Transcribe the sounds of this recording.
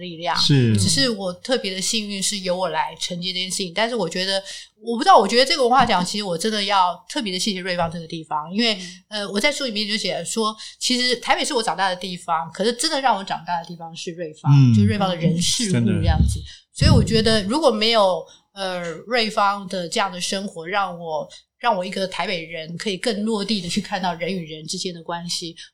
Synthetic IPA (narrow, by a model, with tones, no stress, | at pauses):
li˥˧ljɑ̰˥˩ŋʂ̩˥˩ʈ͡ʂʰi˨˧˩ʂɻ̩˥˩wɔ˨˩t̪ʰɤ˥˩pjɛ˧˥d̪ə˧ɕi˥˧ŋy˥˧nʂɻ̩˥˩jo˧˥ʊwɔ˨˩la˧˥ɪʈ͡ʂʰə˧˥ŋt͡ɕi˥˩t͡ɕjɛ˥˧ʂ̩˥˩t͡ɕʰi˨˩ŋt̪a˥˧nʂɻ̩˥˩wɔ˨˩t͡ɕɥɛ˧˥d̪ə˧wɔ˨˩pu˧˥ɑ˥˩wɔ˨˩t͡ɕɥɛ˧˥d̪ə˧ʈ͡ʂɤ˥˩ɡəwə˧˥xwa˥˩t͡ɕjɑ˨˩˦ŋt͡ɕʰi˧˥ʂɻ̩˧˥wɔ˨˩ʈ͡ʂə˥nd̪ə˨jɑ˥˧ʊt̪ʰɤ˥˩p̬jɛ˧˥d̪ə˧ɕi˥˧˩we˥˩ɪfɑ˥ŋ˧ʈ͡ʂɤ˥˩ɡə˩t̪i˥˩fɑ˩ŋi˥nwe˥˩ɪə˧wɔ˨˩t͡sa˥˧ɪsu˥˩li˨˩mjɛ˥˧˥o˥˩ɕjɛ˨˩˥ʂwɔ˥t͡ɕʰi˧˥ʂɻ̩˧˥t̪ʰa˧˥ɪpe˨˩ʂɻ̩˥˩wɔ˧˥ʈ͡ʂɑ˨˩ŋt̪a˥˩d̪ə˩t̪i˥˩fɑ˩ŋkʰɤ˨˩nə˧˥ʈ͡ʂə˥nd̪ə˨ɻɑ˥˩ŋwɔ˧˥ʈ͡ʂɑ̰˨˩ŋt̪a˥˩d̪ə˩t̪i˥˩fɑ˧˩ŋʂɻ̩˥˧ɻwe˥˩ɪfɑ˥ŋ˥˧ʂwe˥˩ɪfɑ˥ŋd̪ə˨ɻə˧˥nʂɻ̩˥˧˥u˥˧ʈ͡ʂjɑ˥˩ŋd͡zɹ̩˩swɔ˧˥i˨˧˥wɔ˨˩t͡ɕɥɛ˧˥d̪ə˧ɻu˧˥kwɔ˨˩me˧˥ɪjo˨˩ʊ | ə˧ɻwe˥˩ɪfɑ˥ŋd̪ə˨ʈ͡ʂɤ˥˧jɑ˥˩ŋd̪ə˩ʂɤ˥ŋxwɔ˧˥ɻɑ˥˩ŋwɔ˨˩˦ | ɻɑ˥˩ŋwɔ˨˩i˧˥ɡə˧t̪ʰa˧˥ɪpe˨˩ɪɻə˧˥nkʰɤ˧˥i˨˩kə˥˧ŋlwɔ˥˧t̪i˥˩d̪ə˩t͡ɕʰy˥˧kʰa˥˧nt̪ɑ˥˩ʊɻə˧˥ny˨˩ɻə˧˥nʈ͡ʂɻ̩˥t͡ɕjɛ˥nd̪ə˨kwa˥nɕi˨